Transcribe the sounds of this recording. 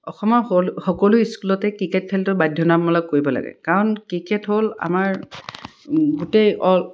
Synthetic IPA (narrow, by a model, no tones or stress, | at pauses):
ɔxɔmɔxɔkɔlʊiskulɔtɛkɹiket̚kʰɛltʊbajdʱjɔnamɔlakːoɹibɔla̰ɡɛ̰kaɹɔnkɹiketɦola̰maɹ | ɡutejɔl